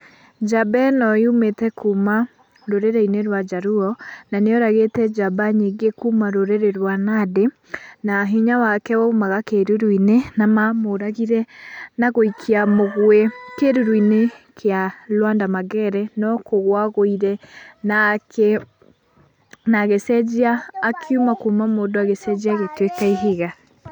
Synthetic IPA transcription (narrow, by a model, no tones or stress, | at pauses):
d͡ʒabɛnɔjumetɛkʰuma | ɾoɾeɾɛineɾwad͡ʒaɾuɔnaneɔɾaɣetɛd͡ʒabaɲeɡekumaɾoɾeɾeɾwanade | naɦiɲawakɛwɔumaɣakeɾuɾwinenamamoɾaɣiɾɛnaɣoikʰiamoɣwɛkeɾuɾwinekʰealwandamaɡɛɾɛnɔkoɣwaɣoiɾɛnake | naɣesɛd͡ʒiaːkʰjumakuːmamoːdoaɣesɛd͡ʑiaɣetwekaiɦiɣa